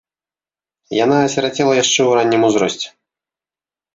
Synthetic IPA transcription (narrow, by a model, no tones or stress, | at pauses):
jan̪aɐsʲɛɾat͡sʲɛlˠɐjaʂt͡ʂɛuɾanʲːimuzɾɔsʲt͡sʲɛ̥